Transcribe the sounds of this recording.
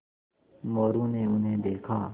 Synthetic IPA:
moːɾũːneːʊnɦẽːd̪eːkʰaː

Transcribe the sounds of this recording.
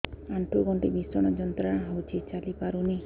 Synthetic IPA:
aɳʈʰuɡɔɳʈibisɔɽ̃ɔd͡ʒɔnt̪ɾaɽ̃ɦɔwt͡ʃʰit͡ʃalipaɾuni

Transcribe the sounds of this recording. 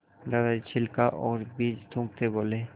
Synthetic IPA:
ɾadaɾt͡ɕʰilkaʔɔɾbid͡ʑd̪ʱũk̚t̪ebole

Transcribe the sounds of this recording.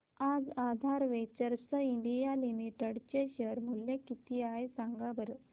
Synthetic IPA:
ad͡zad̪ʱaɾʋet͡ɕəɾsəiɳɖijalimiʈəɽt͡ɕeɕəɾmuljekit̪iajsaŋɡabəɾ

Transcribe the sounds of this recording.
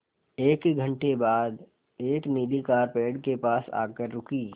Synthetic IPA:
eːkiɡʱə̃ɳʈebaːd̪ | eːkniːlikaːɾpeːɽkepaːsa̰ːkəɾːʊkiː

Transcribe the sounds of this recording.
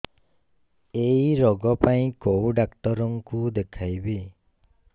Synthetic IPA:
ejɾɔɡɔpaĩkowɖakʈɔɾɔŋkud̪ekʰajbi

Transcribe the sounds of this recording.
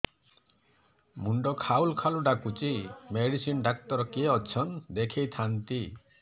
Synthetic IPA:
muɳɖɔkʰaulkʰaluɖakut͡ʃimeɽisinɖak̚t̪ɔɾɔkieɔt͡ʃʰɔnd̪ekʰejt̪ʰant̪i

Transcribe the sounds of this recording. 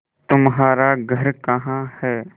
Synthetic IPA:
t̪ʊmɦaːɾaɡʱɐɾkɐɦãhɛː

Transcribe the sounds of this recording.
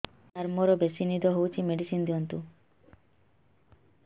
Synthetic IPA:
aɾmɔɾɔbesinid̪ɔɦowt͡ʃʰimeɖisind̪iɔnt̪u

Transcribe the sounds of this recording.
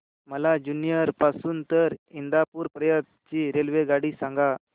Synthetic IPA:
məlad͡ʑunijəɾpasuːnt̪əɾind̪apuːɾpɾəjət̪̚t͡ɕiːɾelʋeɡaɽiːsãŋɡa

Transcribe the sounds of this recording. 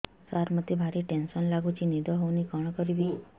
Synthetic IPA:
saɾmət̪jebʱaɾiʈenʃɔnlaɡut͡ʃinid̪ɔɦonikɔɳ̃kɔɾiʋi

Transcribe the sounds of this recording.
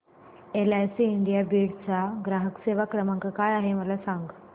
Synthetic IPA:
elajsiːɳɖijabiɽt͡saɡɾaɦəkseʋakɾəmãŋkkaːjaɦeməlasaŋɡ

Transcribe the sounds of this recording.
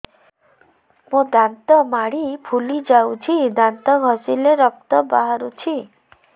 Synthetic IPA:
mũd̪ant̪ɔmaɽipʰulid͡ʒawt͡ʃʰid̪ant̪ɔɡʱɔsileɾɔk̚t̪ɔbaɦaɾut͡ʃʰi

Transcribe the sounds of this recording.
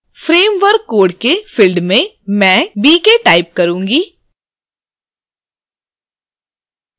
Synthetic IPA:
fɾeːmʋəɾkːoːɾɖkefɪlɖmẽ | mɛ̃ːbiːkeʈaːɪp̚kɐɾũːŋɡiː

